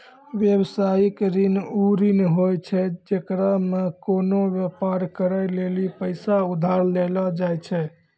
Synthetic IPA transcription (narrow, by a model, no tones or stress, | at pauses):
ʋjebsajikɾinuɾinɦojt͡ʃʰɛd͡ʒekɾamekonoʋjepaɾkəɾəjlelipəɪsaud̪ʱaɾlelɔd͡ʒajt͡ʃʰɛ